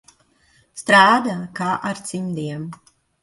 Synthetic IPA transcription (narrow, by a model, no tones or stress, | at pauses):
st̪ɾaːd̪akaːʔaɾt̪simd̪iɛm